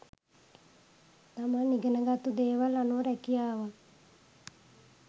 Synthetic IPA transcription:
t̪amaniɡənəɡat̪ud̪eːʋalanoɾɛkijaːʋə

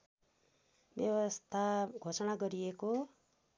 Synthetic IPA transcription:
bjʌwʌst̪ʰaɡʱosʌnaɡʌɾieko

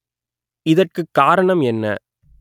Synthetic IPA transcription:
ɪðɐrkɯkːaːɾɐɳɐmɛnːɐ̰

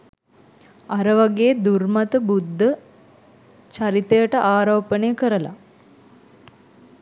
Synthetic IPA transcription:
aɾəʋaɡeːd̪urmat̪əbud̪ʱːə | t͡ʃaɾit̪ejəʈəʔaːɾoːpənejəkəɾəla̰

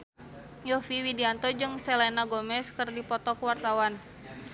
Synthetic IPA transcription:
jɔfiwidiant̪ɔd͡ʒɨŋsɛlɛnaɡɔmɛskɨrdipɔt̪ɔkəwart̪awan

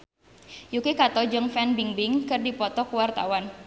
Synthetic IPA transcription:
jukikat̪ɔd͡ʒəŋfɛnbiŋbɪŋkɨrdipɔt̪ɔkuwart̪a̰wan

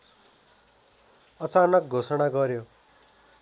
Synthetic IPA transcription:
ʌt͡sanʌk̚ɡʱosʌɽ̃aɡʌɾjo

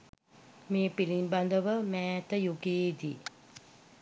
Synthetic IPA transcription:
meːpilimband̪əʋəmæːt̪əjuɡeːd̪i

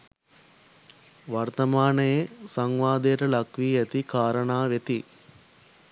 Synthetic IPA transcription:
ʋɐrt̪ɐmaːnəjesɐŋʋaːd̪ejʈəlɐkʋiːɛt̪ikaːɾəɳaːʋet̪i

